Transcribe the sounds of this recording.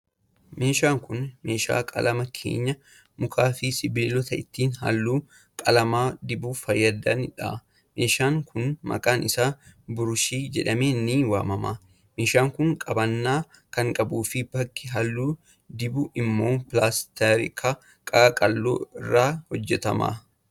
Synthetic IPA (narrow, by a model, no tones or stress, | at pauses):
me̞ːʃaːŋkʊnme̞ːʃa̰ːkʼɐ̰lɐmɐkʰḛːɲːɐ | mʊkʰaːfɪsɪbɪlɔt̪ɐɪt̪ːiːnɦɐ̰lːuː | kʼɐlɐmaːd̪ɪbuːfɐjːɐd̪ɐnɪᶑa̰ː | me̞ːʃaːŋkʰʊnmɐ̰kʼaːnɪsaːbʊɾʊʃiːd͡ʒɛᶑɐmeːnːiːwa̰ːmɐmaː | meːʃaːŋkʊŋkʼɐbɐnːaː | kɐŋkʼɐbuːfɪbɐkːɪɦɐlːuː | d̪ɪbʊʔɪmːo̞ːpɪlaːst̪ɛɾɪkʰɐ | kʼɐkʼɐlːo̰ːɪrːaːhɔd͡ʒːɛt̪ɐma̰ː